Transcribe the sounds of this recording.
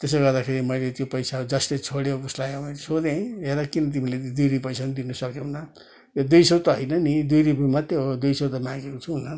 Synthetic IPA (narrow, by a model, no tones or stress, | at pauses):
t̪esoɡʌrd̪akʰeɾimʌjlet̪jopʌjsaud͡zʌst̪ʌjt͡sʰoɽjowuslajɦʌbʌlesod̪ẽeɾʌkinʌt̪̬imiled̪ujɾipʌjsanud̪inʌsʌk̚d̪eɦunʌ | od̪ujsowt̪ʌɦʌjnʌnid̪ujɾipmʌt̪ːeɦod̪ujsot̪amãɡekot͡sʰuɦunʌ